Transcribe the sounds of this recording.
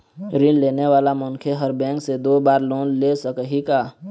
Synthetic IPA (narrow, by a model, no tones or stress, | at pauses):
ɾɪ̃lleːneʋaːlamʊ̃ŋkʰeɦəɾbɛ̃ːŋksed̪oːbaːɾlõːnlesəkɦikaː